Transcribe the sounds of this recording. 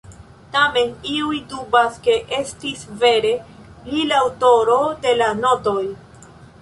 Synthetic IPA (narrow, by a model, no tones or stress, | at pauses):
tame̞niujdubaske̞ʔe̞stisve̞ɾe̞ | lilawto̞ɾo̞de̞lano̞to̞j